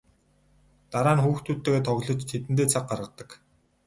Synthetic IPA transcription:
t̪aɾaːnxuːxt̪ʰuːt̪ːeːɣeːt̪ʰɔɣɮɞ̆t͡ɕt̪ʰet̪ɘ̆nt̪̬eːt͡sʰaq̚ɢarʁə̆t̪ːə̆k

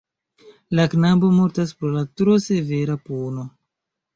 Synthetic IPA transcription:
laknabo̞moɾtaspɾolatɾo̞se̞ve̞ɾapono̞

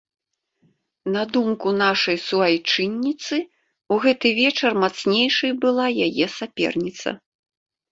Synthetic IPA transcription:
nɐd̪umkunaʂɐjsuajt͡ʂɨnʲːit̪sɨ | uɣɛt̪ɨvʲɛt͡ʂɐrmat̪snʲejʂɐjbɨlˠajajɛsapʲɛ̰rnʲit̪sɐ̰

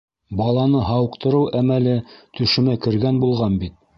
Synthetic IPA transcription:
bɑlˠɑnɤɦɑwɤ̆qt̪ɤ̆ɾɤwæmælɘt̪ɵ̆ʃɘ̆mækɘ̆ɾɡænbulˠʁɑnbit̪̚

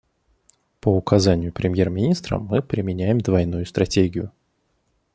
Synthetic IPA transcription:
pəʊkʰɐzanʲɪjʊpɾʲɪmʲjermʲɪnʲist̪ɾə̰mɨpɾʲɪmʲɪnʲæjɪmd̪vɐjnujʊst̪ɾɐtʲeɡʲɪjʊ

